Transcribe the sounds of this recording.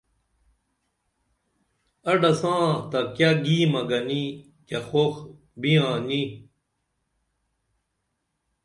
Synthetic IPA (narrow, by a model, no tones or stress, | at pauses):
ɐɖɐsãːt̪ɐkaɡiːmɐɡɐni | kɐxox | bijãːni